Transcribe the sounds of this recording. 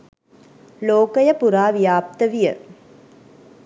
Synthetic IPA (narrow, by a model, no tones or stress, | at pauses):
loːkɐjɐpuɾaːʋijaːp̚t̪ɐʋijɐ̰